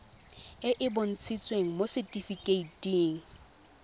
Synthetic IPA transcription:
ɪʔɪbʊn̩t͡sʰit͡sʼweŋ̩mosɪtʼifikʼeitʼiːŋ̩

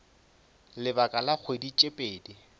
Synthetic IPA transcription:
lɪbakʼalak͡xʰwedit͡ʃʼepʼeːdi

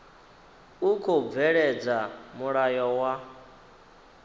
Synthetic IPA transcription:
ukʰob̪vɛɺɛd͡zamuɺajɔwa

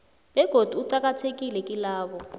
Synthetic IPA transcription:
bɛɡ̥ʱod̥ʱuuǀak̬atʰek̬ʼilɛkʼilaːɓɔ

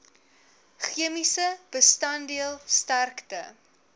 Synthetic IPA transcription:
χiəmisəb̥əstɐndiəlˠstærktə̰

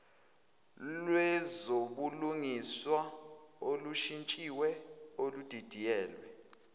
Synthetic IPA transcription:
lwɛzoɓuluŋiswa | oluʃint͡ʃʼiwɛolud̥ʱid̥ʱijɛːlwɛ

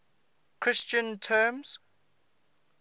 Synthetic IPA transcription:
kʰɹ̥ɪst͡ʃə̃ntʰɛːmz̥

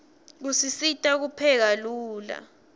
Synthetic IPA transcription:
k̬usisitʼak̬upʰɛk̬aluːla̰

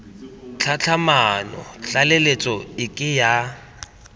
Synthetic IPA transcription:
t͡ɬʰat͡ɬʰamanɔ̰ɬalelet͡sʼɔɪkʼɪja

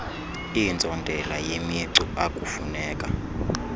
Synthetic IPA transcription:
ind͡zʱɔndʱɛlajemiǀuakʼufunɛːkʼa

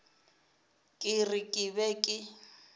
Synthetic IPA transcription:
kʼɪrɪkʼɪbɛkʼɪ

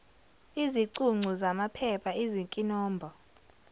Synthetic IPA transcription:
iziǀuŋ͡ǀʱuzamapʰɛpʰaiziŋkʼinɔːmbʱɔ

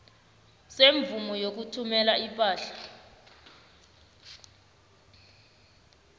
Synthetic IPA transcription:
seɱvumɔjok̬utʰumɛlaipʼaːɬḁ

